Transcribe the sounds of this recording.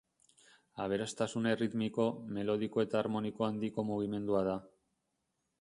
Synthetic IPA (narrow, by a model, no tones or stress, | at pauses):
aβ̞e̞ɾast̪asune̞rit̪miko̞me̞lo̞ð̞iko̞e̞t̪aːɾmo̞niko̞and̪iko̞muɣ̞ime̞nd̪uaða